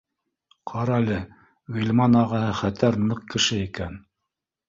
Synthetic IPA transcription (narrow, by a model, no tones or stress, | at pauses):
qʰɑɾɑlɘ | wilʲmɑnɑʁɑhɤχæt̪æɾnɤq̚kɘ̆ʃɘikæn